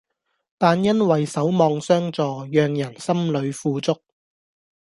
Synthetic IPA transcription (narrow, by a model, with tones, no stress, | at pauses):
t̪aː˨njɐ˥nwɐ˨jsɐ˨˥wmɔː˧ŋsœː˥ŋt͡sɔː˨˧jœː˨˧ŋjɐ˨˩nsɐ˥mlɵ˨˧ɥfuː˧t͡sʊ˥k̚